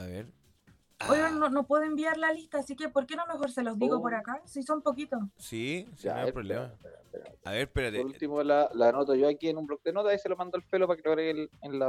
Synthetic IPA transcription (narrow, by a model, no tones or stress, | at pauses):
aβeɾ | ojononopwe̞ðembiaɾlaliht̪aːsike̞poɾkenome̞xoɾse̞lo̞zðiɣopoɾakasisompok̬it̪osid͡ʒa̰ːeɾpeapeɾa̰peɾa̰a̰eɾpeɾapoɾult̪imolalanot̪oʝoakienumblok̚d̪enot̪aiselomand̪oelfelopakeloɣɾeɣelenla